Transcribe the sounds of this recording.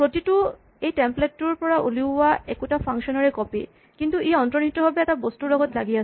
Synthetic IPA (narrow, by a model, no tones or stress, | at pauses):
pɹotitu | ejtɛmpletːuɹpɔɹaʔuliwaɛkutapʰaŋksɔnaɹɛkɔpi | kintuʔiɔntɹɔnitːɔɦɔbɛɛtabostulɔɡɔtlaɡias